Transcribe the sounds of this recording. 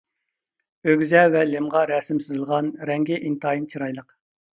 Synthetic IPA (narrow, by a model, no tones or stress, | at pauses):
øɡʲzɛvɛlɪmʁɑɾɛsɪmsɪzɨlˠʁɑnɾɛŋɡʲɪʔint̪ʰɑːjint͡ʃʰiɾɑjlˠəq